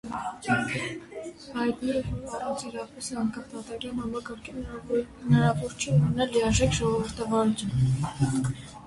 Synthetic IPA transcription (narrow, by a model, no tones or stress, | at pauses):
hɑjt̪nɛɾəvɔɾɑrɑnt͡sʰiɾɑpɛsɛɑŋkʰɑmt̪ɑt̪ɑɡɾɑnhɑmɑkɑɾkʰiənɑɾɑvɔɾt͡ʃʰɛunɛnɑlːiɑʒɛkʒɔʁɔvəɾt̪ʰɑvɑnut͡sʰjun